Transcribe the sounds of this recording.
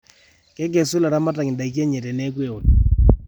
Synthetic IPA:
kɛ˦k̬e˨su˦la˨ɾa˦ma˦ta˨ŋi˨nda˨i˨k̬ja˦ɲɛ˨tɛ˨nɛ˦k̬we˨o˨t̚

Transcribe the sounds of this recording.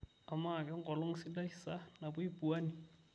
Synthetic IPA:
a˨ma˨kɛ˦ŋ̩˦kɔ˨lɔ˦ŋ̩˦sɪ˦la˦isa˦na˨bʊ˦i˦bu˨a˦ni˨

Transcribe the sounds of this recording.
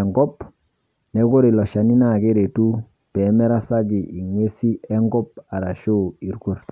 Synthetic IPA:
e˨ŋɡɔ˦p | nɛ˦ɡo˦ɾi˨lɔ˨ʃa˨ni˦na˦˨ɡe˦ɾe˨tu˦ | pɛ˨˦mɛ˦ɾa˦sa˦ɡi˨ʔi˨ŋwe˦si˦ɛ˦ŋɡɔ˦pa˨ɾa˨ʃo˦˨i˨ɾko˦˨ɾ

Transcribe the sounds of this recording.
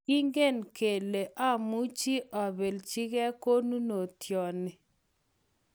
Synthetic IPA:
i˦ŋɡe˦˨nkʰe˨le˨ʔa˦mu˦t͡ʃi˦ʔa˨be˨lt͡ʃi˦kɛ˦ko˦nu˦no˨tʰjɔ˨nɪ˨

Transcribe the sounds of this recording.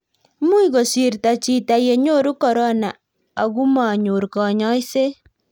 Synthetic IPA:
mu˦i˨ɣo˨si˨ɾta˨t͡ʃi˦˨ta˨je˨ɲo˦ɾu˦kɔ˨ɾɔ˦na˨ | a˨ɣu˦ma˨ɲu˨ɾkɔ˨ɲɔ˦jse˦

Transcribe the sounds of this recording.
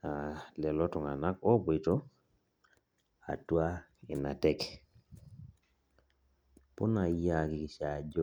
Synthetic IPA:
a˨lɛ˨lɔ˦tɔ˨ŋa˨na˦ko˦bɔ˨i˨to˦ | a̰˨tu˦a˦ | ɪ˨na˨tɛ˦k | pʊ˦na˨ja˦˨ki˨ki˨sa˨d͡ʒo˦

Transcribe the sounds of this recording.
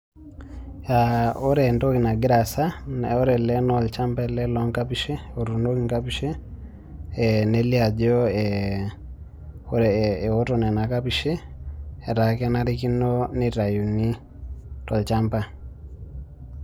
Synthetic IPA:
ja˨o˦ɾɛ˨ndo˦ki˨na˨ɡi˦ɾa˨sa˦nɛ˨o˦ɾɛ˨lɛ˦nɔ˨lt͡ʃa˦mpa˦ɛ˨lɛ˦lɔ˦ŋka˦pi˦ʃe˦o˨ɾu˨no˦ki˨ŋka˦pi˦ʃe˦ | ɛ˨ne˦li˦a˨d͡ʒɔ˦ɛ˨ | o˦ɾɛː˨o˦to˨nɛ˨na˨ka˦pi˦ʃe˦ɛ˨ɾa˨kɛ˦na˦ɾi˦ki˦no˦ni˦ɾa˨ju˨ni˦ | tɔ˨lt͡ʃa˦mpa˦

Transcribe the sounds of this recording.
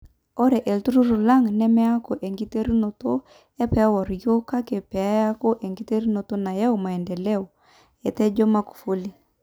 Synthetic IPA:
ɔ˦ɾɛ˨ʔɛ˨ltu˦ɾu˦ɾu˨la˦ŋnɛ˦mɛ˦a˦kɔ˨ʔe˨ŋɡi˦te˦ɾi˦no˨to˦ | ɛ˦pɛ˨a˦wɔ˨ɾjo˦ka˦ke˨pɛ˨a˦ja˦kɔ˦ʔe˨ŋɡi˦te˦ɾi˦no˨to˦na˨ja˦u˨ma˨ɛ˨ndɛ˨lɛ˦ɔ˨ | ɛ˨tɛ˦d͡ʒo˦ma˦ku̥˨fu˦li˦

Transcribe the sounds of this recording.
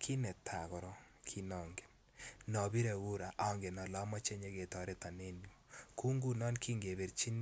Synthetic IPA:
kʰi˦nɛ˨tʰːa˨kɔ˨ɾɔ˦ | kʰi˦nɔ˨ŋɡe˨n | nɔ˨bi˦ɾɛ˨wu˦ɾa˨ʔa˨ŋɡe˨nɔ˨la˦mɔ˦t͡ʃe˦ɲe˦ke˨tɔ˨ɾe˦ta˨ne˦nju˨ku˦ŋɡu˨nɔ˦nkʰi˦ŋɡe˨βe˨ɾt͡ʃi˦n

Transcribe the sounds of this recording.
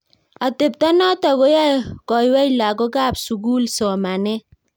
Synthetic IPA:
a˨te˨p̚ta˦nɔ˦tɔ˨ko˦jɛ˦kɔ˨jwɛ˦jla˨ko˦ka˦˨psu˨k̬u˦lsɔ˨ma˨nɛ˦

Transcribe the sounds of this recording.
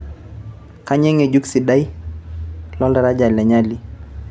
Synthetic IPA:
ka˦ɲɛ˦ŋe˨d͡ʒu˦ksi˨da˦i˦ | lɔ˦lda˨ɾa˦d͡ʒa˨lɛ˨ɲa˦li˦

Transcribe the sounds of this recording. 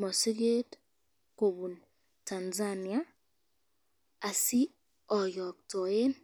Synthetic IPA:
mɔ˨si˦ɡe˦t | ko˨bu˨n | ta˨nza˦ni˨a˦ | a˨si˦ | ɔ˨jɔ˨k̚tɔ˨e˦n

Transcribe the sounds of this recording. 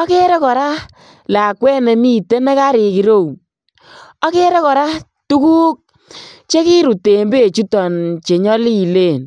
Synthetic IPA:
ɔ˦ke˦ɾe˦kɔ˨ɾa˦ | la˨kwɛ˦ne˨mi˦te˦nɛ˦ka˦ɾi˨ki˨ɾo˦˨w | ɔ˦ke˦ɾe˦kɔ˨ɾa˦ | tu˦ku˦k̚ | t͡ʃe˦ki˦ɾu˨te˨mbe˦˨t͡ʃu˦tɔ˨nt͡ʃe˨ɲɔ˦li˦i˨le˦˨n

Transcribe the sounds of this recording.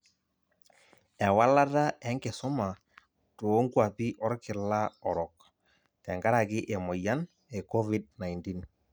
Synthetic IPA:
ɛ˨wa˦la˦ta˦ʔɛ˦ŋkɛ˨sɔ˦ma˨ | to˨˦ŋɡwa˨pi˦ʔɔ˦ɾkɪ˨la˦ɔ˨ɾɔ˨k̚ | tɛ˨ŋɡa˦ɾa˨kɪ˦ʔɛ˨mɔ˨jːa˦n | ɛ˨kɔ˦vɪ˦d̚na˨jnti˦n

